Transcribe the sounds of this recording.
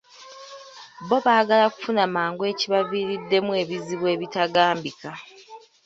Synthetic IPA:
βo̞βaːɡalaku̥funamaːŋɡwe̞ːciβaviɾidːe̞muwe̞ːβiziβwe̞ːβitaɡaːmbika

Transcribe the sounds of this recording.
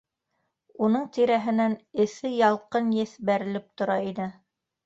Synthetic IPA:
unɤɴt̪iɾæɦɘ̆nænɘ̆θɘjɑlˠqɤnjɘ̆θbæɾɘ̆lɘp̚t̪ŏɾɑinɘ

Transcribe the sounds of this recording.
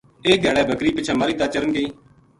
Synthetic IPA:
eːɡʱaːɭɛːbʱəkɾiːpɪt͡ʃʰaːmaːɾiːt̪aːt͡ʃəɾənɡeiː

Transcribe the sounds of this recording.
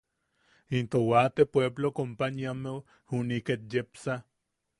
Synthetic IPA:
int̪owat̪epweblokompaniame | huniket̪̚jepsa

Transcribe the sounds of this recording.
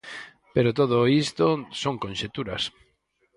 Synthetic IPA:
peɾot̪oð̞oist̪osoŋkõnʃet̪uɾɐs

